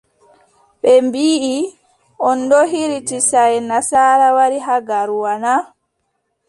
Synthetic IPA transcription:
ɓɛmbiːʔi | ɔndɔɦiɾitisajnasaːɾawaɾiɦaɡaɾuwana

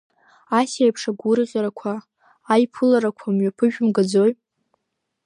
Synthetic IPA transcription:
asajpʰʂaɡʷʊrʁʲaɾakʷʰaː | jpʰɨlaɾakʷʰamɥapʰɨʒᶣʊmɡad͡zoj

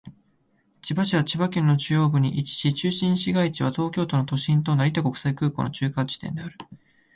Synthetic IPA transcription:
t͡ɕibaɕiβat͡ɕibakẽ̞nːo̞t͡ɕɨjo̞ːbɯ̟ɲ̟iʔit͡ɕi̥ɕit͡ɕɨːɕĩɰ̃ɕiɡait͡ɕiβ̞at̪o̞ːkʲo̞ːt̪o̞not̪o̞ɕĩnt̪o̞naɾʲit̪ako̞kɯ̟̥saikɯ̟ːko̞̰no̞t͡ɕɨːkad͡ʑi̥t̪ẽ̞nd̪e̞aɾɯ̟

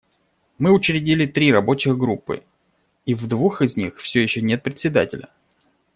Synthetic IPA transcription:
mɨʊt͡ɕɾʲɪdʲilʲɪt̪ɾʲiɾɐbo̞t͡ɕɪɣɡɾupːɨ̰ | ivd̪vuxɪzʲnʲixfsʲojɪɕːonʲe̞t̪̚pɾʲɪt̪sʲɪd̪a̰tʲɪlʲə̰

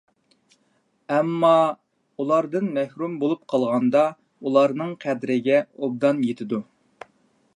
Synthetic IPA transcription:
ɛmːɑ | ulˠɑɾd̪ɨnmɛhɾumbolˠup̚qʰɑlˠʁɑnd̪ɑ | ulˠɑɾnɨŋqʰæd̪ɾɪɡʲɛob̚d̪ɑnjet̪ʰɪd̪u

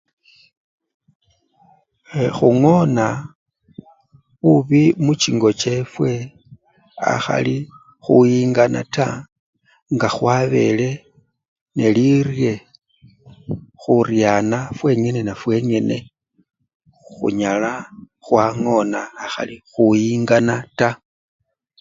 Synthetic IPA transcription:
xuŋo̞na | βuβimut͡ʃiŋɡo̞t͡ʃe̞fwe̞ | a̰xa̰li | xujiːŋɡana̰ta | ŋɡaxwaβe̞̰le̞ | ne̞lirje̞ | xurjanafwe̞ɲe̞ne̞nafwe̞ɲe̞ne̞ | xṵɲala | xwaŋo̞naːxa̰lixujiːŋɡanata

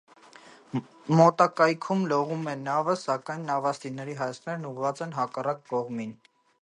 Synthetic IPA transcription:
mɔt̪ɑkɑjkʰumlɔʁumɛnɑvəsɑkɑjnːɑvɑst̪inɛɾiɦɑjɑst̪ʰnɛɾnuʁvɑt͡sɛnɦɑkɑrɑkːɔʁmin

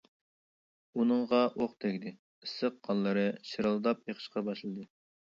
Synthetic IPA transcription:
unɨŋʁɑʔoχt̪ʰɛkʲd̪ɪ | isəq̚qɑnlˠːɨɾɨʃiɾɑlˠd̪ɑp̚eqʰə̥ʃqɑbɑʃlˠɨd̪ɨ

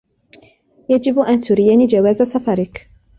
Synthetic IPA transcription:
jad͡ʒɪbʔant̪ʊɾɪjaniːd͡ʒawaːzasɑfɑɾˤɪk

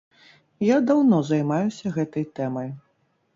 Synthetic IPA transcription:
jad̪awnɔzajmajusʲɐɣɛt̪ɐjt̪ɛmɐj

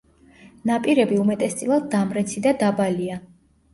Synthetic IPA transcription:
napʼiɾɛbiumɛt̪ʼɛst̪sʼilˠad̪̚d̪amɾɛt̪sʰid̪ad̪abalia

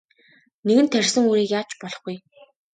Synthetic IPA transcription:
neɣɘ̆nt̪ʰːæɾ̆ʲsɘ̆ŋuːɾiːkjaːt͡ɕpɔɮɞ̆χɡuj

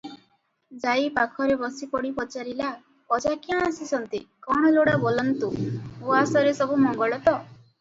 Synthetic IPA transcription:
d͡ʒajpakʰɔɾebɔsipɔɽipɔt͡ʃaɾila | kɔd͡ʒakiãasisɔnt̪ikɔɽ̃ɔloɽabolɔnt̪uoasɔɾesɔbumɔŋɡɔɭɔt̪ɔ

